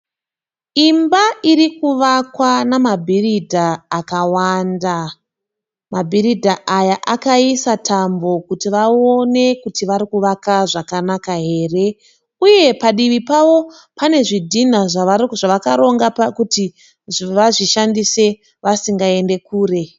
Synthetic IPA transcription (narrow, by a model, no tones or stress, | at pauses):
imbaʔiɾikuʋakwanamabʱiridʱaːkawanda | mabʱiridʱaʔajaʔakaisatʰambo̞kutiʋaone̞kutiʋaɾikuʋakaʐakanakaɦe̞ːre̞ | uje̞paɗiʋipawo̞ | pane̞ʐidʱinaʐaʋaʐaʋakaɾo̞ŋɡapkuti | ʐʋaʐiʃandise̞ | ʋasiŋɡae̞nde̞kuːre̞